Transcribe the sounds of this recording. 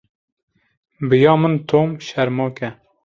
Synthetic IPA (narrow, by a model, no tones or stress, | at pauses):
bɨjɑːmɨnt̪ʰoːmʃɛɾmoːkɛ